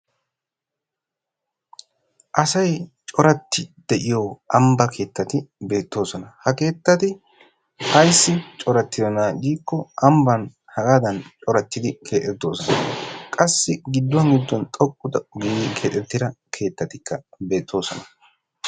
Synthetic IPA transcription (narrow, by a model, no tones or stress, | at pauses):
ʔɐsɐjt͡ʃʼɔɾɐt̪ːɪd̪̥ɛʔɪjoʔɐmbɐkʰe̞ːt̪ːɐt̪ɪbe̞ːt̪ːo̞ːsɔnɐhɐke̞ːt̪ːɐt̪ɪ | hɐjsːɪt͡ʃʼɔɾɐt̪ːɪd̪ɔnaːd͡ʒiːkːɔɐmbɐn | hɐɡaːd̪ɐnt͡ʃʼɔɾɐt̪ːɪd̪ɪkʰe̞ːt̪ʼɛt̪ːo̞ːsɔnɐkʼɐsːɪɡɪd̪ːʊwɐnɡɪd̪ːɔnt̪ʼɔkʼːʊd̪ɐɡiːkʰeːt̪ʼːɛt̪ːɪd̪ɐkʰe̞ːt̪ːɐt̪ɪkʰːɐbe̞ːt̪ʰːo̞ːsɔnɐ